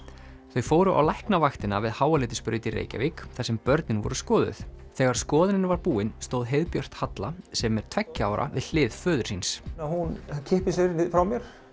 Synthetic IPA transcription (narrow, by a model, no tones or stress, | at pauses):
θœɥfoːwɾʏʔa̰wlajhknavaxt̪ɪnavɪðhaːwalɪːt̪ɪspʏɾʏt̪iɾḛːjca̰vikθasɛmpœɾt̪nɪnvɔ̰ɾʏskɔːðʏ̰θθɛɣaɾ̥skɔːðɪnɪnvaɾpuːɪnst̪oːwðɦeːjðpjœr̥t̪hat̪lasɛmːɛɾ̥t̪ʰvɛcːɪaːwɾʔa̰vɪ̰ðl̥ɪːðfœːðʏ̥sinsahuncʰɪhpɪsɪɾnɪfɾawmjɛɾ̥